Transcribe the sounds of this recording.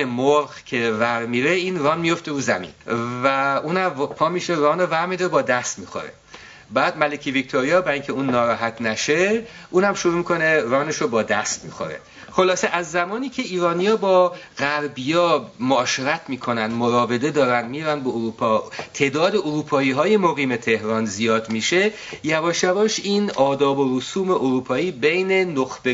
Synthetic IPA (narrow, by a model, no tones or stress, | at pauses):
emoɾɣcʲʰe̞væɾmiːɾeiːnrɒːnmijo̞ft̪e̞ɾuːzæmḭːnvæuːnæmpʰɒːmiːʃeɾɒːnovæɾmid̪ɒɾebɒːd̪æst̪miːxo̰ɾḛ | bæːd̪mælecʰivict̪ʰoɾijɒːbæɾiŋcʰeuːnːɒːɾɒːɦæt̪ʰnæʃe | ʔuːnæmʃoɾuːmiːkʰo̞ne̞rɒːneʃobɒːd̪æst̪mḭːxo̰ɾḛ | xo̞lɒːse̞ʔæzːæmɒːniːcʲʰe̞iːɾɒːnijɒːbɒːɣæɾbijɒːmoɒːʃeɾæt̪ʰmiːkʰo̞nænd̪moɾɒːve̞d̪e̞d̪ɒːɾænd̪miːɾænd̪beoɾuːpʰɒːt̪ʰe̞ːd̪ɒːd̪eoɾuːpʰɒːiːɦɒːje̞moɣiːme̞t̪ʰe̞hɾɒːnzijɒːd̪miʃe̞ | jævɒːʃjævɒːʃiːnɒːd̪ɒːbo̞ɾosuːme̞ʔoɾuːpʰɒːiːbe̞jne̞noxb̥e